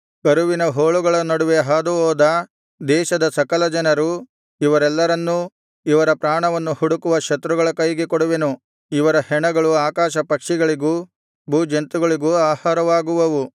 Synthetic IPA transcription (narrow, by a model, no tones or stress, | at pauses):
ɡɐɾuʋinɐɦoːɭuɡɐɭɐnɐɽuʋeɦaːd̪uɦɔːd̪ɐ | d̪ɛːʃɐd̪ɐsɐkɐlɐd͡ʒɐnɐɾu | iʋɐɾɛlːɐɾɐnːu | iʋɐɾɐpɾaːɳɐʋɐnːuhuɽukuʋɐʃɐt̪ɾuɡɐɭɐkɐjɡekɔɽuʋe̞nu | iʋɐɾɐhɛɳɐɡɐɭuaːkaːʃɐpɐkʂiɡɐɭiɡuː | bʱuːd͡ʒent̪uɡɐɭiɡuaːhaːɾɐʋaːɡuʋɐʋu